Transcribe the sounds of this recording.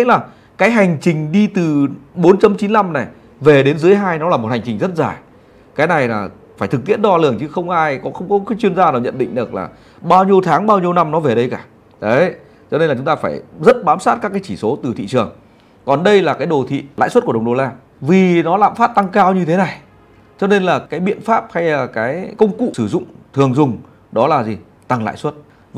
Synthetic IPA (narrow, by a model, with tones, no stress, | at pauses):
laː˨˩ | kaː˨˦jɦa˨˩jŋ̟t͡ɕï˨˩ŋ̟ɗi˧t̪ɨ˨˩ɓo˨˦nt͡ɕa˧˩mt͡ɕi˨˦nla˧mna˨˩j | ve˨˩ɗe˨˦nzɨ˨˦əjɦaː˧jnɔ˨˦laː˨˩m˨˩t̚ha˨˩ŋ̟t͡ɕï˨˩ŋ̟zə˦˥t̚zaː˧˩j | kaː˨˦jna˨˩jlaː˨˩ | faː˧˩jt̪ʰɨ˨˩k̚t̪ḭ˧˥ənɗɔ˧lɨ˧˩əŋt͡ɕɨ˨˦xə˧wŋ͡mʔaː˧jkɔ˨˦xə˧wŋ͡mkɔ˨˦t͡ɕwi˧ənzaː˧naː˨˩wɲə̰˧˨nɗḭ̈˧˨ŋ̟ɗɨ˨˩ək̚la̰ː˨˩ | ɓaː˧wɲi˧əwt̪ʰaː˨˦ŋɓaː˧wɲi˧əwna˧mnɔ˨˦ve˨˩ɗə˧jkaː˧˩ | ə˨˦ | t͡ɕɔ˧ne˧nlaː˨˩ʊ˨˦ŋ͡mt̪aː˧faː˧˩jzə˦˥t̚ɓaː˨˦msaː˦˥t̚kaː˦˥kːaː˨˦t͡ɕi˧˩so˨˦t̪ɨ˨˩t̪ʰḭ˧˨t͡ɕɨ˨˩əŋ | kɔ˨˩nɗə˧jlaː˨˩kaː˨˦jɗo˨˩t̪ʰḭ˧˨la̰ː˧˨jswə˦˥t̚ku˧˩˨ɗo˨˩laː˧ | vi˨˩nɔ˨˦la̰ː˧˨mfaː˦˥t̚t̪a˧ŋkaː˧wɲɨ˧t̪ʰe˨˦na˨˩j | t͡ɕɔ˧ne˧nlaː˨˩kaː˨˦jɓḭ˧˨ənfaː˦˥p̚ha˧jlaː˨˩kaː˨˦jkə˧wŋ͡mkṵ˧˨sɨ˧˩zʊ̰˧˨ŋ͡mt̪ʰɨ˨˩əŋzʊ˨˩ŋ͡m | ɗɔ˨˦laː˨˩zi˨˩ | t̪a˧ŋla̰ː˧˨jswə˦˥t̚ | v